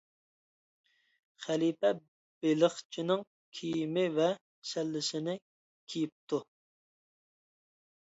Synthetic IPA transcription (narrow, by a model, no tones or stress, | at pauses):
χælipɛ | b̥eləχt͡ʃʰinɪŋ | kʲʰijimɪvɛ | sɛlːɪsɪnɪ | kʲʰijip̚t̪ʰu